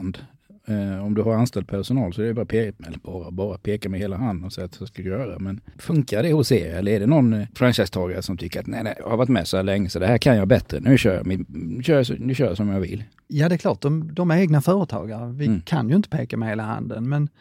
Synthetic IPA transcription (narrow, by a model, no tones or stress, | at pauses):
nd̪ | ɔmd̪ɵɦaɾanst̪ɛl̚pʰæʂʊnɑːlsɔɛɾɪbɑːɾapʰeːkat̪mɛɛlbɑːɾabɑːɾapʰeːkamɛheːlaɦand̪ənɔsɛjat̪sskad̪jœːɾadɛmɛnfɵŋkad̪ɛhʊsḛːɾɪɛlːəɾɛdɛnɔnːfɾanɕaɪst̪ʰɑːɡaɾəsɔmt̪ʰʏkːəɾat̪nɛɪnɛj̰haɾvaʈt̪mɛsɔhæːɭlɛŋːəsɔd̪ɛhæːɾkʰanjɑbɛt̪ɾə̰nʉ̟ːɕœːɾja̰mɪɕœːɾjasd̪ʉɕœːɾjasɔmjɑvɪ̰lː | jɑːd̪ɛkʰlɑːʈ̚d̪ɔmd̪ɔmeːɡnafœːɾət̪ʰɑ̰ːɡaɾvɪkʰa̰njɵɪnt̪ə̥pʰeːkamɛheːlaha̰nd̪ə̰nmɛn